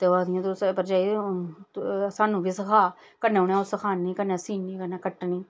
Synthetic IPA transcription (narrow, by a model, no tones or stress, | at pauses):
t̪eːʋaːd̪ɪjãːt̪ospəɾd͡ʒaːiː | saːnũːbiːsəkʰaː | kənẽːʊɳãsəkʰaːniːkəneːsiːniːkəneːkəʈniː